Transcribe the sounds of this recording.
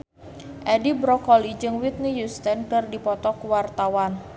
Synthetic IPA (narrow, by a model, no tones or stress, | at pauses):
ʔɛdibɾɔkɔlid͡ʒɨŋwit̪̚nijust̪ənkɨrdipɔt̪ɔkuwart̪awan